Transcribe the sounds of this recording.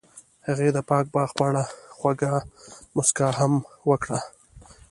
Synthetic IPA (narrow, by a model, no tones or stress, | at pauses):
haɣed̪əpɑk̚bɑxpɑɽaxwaɡamʊskɑɦamwəkɽa